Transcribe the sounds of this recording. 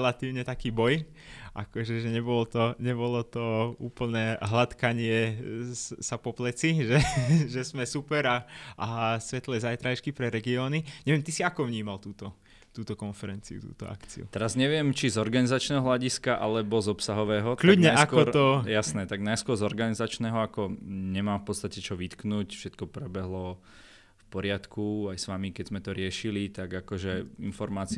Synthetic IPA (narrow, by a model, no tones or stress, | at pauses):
lat̪iːʊɲɛt̪akiːbɔj | ʔa̰kɔʒɛʒɛɲɛbɔlɔt̪ɔɲɛbɔlɔt̪ɔuːpl̩nɛːɦlat̪kaɲɪɛ | sapɔplɛt͡siʒɛʒɛzmɛsupɛɾaʔasʋɛt̪lɛːzajt̪ɾaʃkipɾɛɾɛɡiɔːniɲɛʋɛmt̪isiakɔʋɲiːmalt̪uːt̪ɔ | t̪uːt̪ɔkɔnfɛɾɛnt͡siṵt̪ṵːt̪ɔ̰a̰ktt͡sḭṵt̪ɛɾazɲɛʋɪɛmt͡ʃizɔɾɡanizat͡ʃnɛːɦɔɦlʎaɟiskaʔa̰lɛbɔzɔpsaɦɔʋɛːɦɔt̪klʎaudɲɛaakʊɔɾɔjasnɛːt̪aɡnajskʊɔɾzɔɾɡanizat͡ʃnɛːɦɔakɔɲɛmaːmfpɔt̪st̪acɛt͡ʃɔʋit̪knucfʃɛt̪kɔpɾɛbɛɦlɔ | fpɔɾɪat̪kuajsʋamikɛzmɛt̪ɔɾɪɛʃilit̪aɡakɔʒɛinfɔɾmaːt͡s